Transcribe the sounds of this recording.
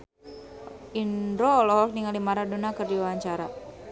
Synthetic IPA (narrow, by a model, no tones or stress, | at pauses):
indɾɔlɔɦɔk̚niŋalimaɾadonakərdiwaaɲt͡ʃaɾa̰